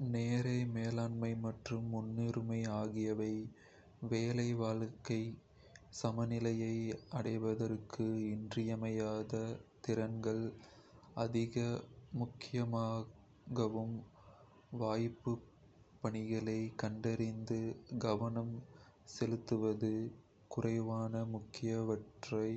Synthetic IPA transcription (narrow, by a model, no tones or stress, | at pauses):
neːɾɐɪmeːlaːɳmɐɪmɐʈrɯmːʊnːiɾɯmɐɪaːɣɪjɐʋɐɪ | ʋeːlɐɪʋaːɭkːɐɪ | sɐmɐnɪlɐjɐɪɐɽɐɪʋɐðɐrkʰɯɪndrɪjɐmɐjaːðɐt̪ɪɾɐnɡɐɭ | ɐðɪɣɐmʊkːɪjɐmaː | ɣɐʋɯm | ʋaːjpːɯ | pːɐɳɪɣɐɭɐɪkɐɳɖɐɾɪnd̪ɯɡɐʋɐnɐmsɛlɯt̪ːɯʋɐðɯ | kʊrɐɪʋaːnɐmʊkːɪjɐʋɐʈrɐɪ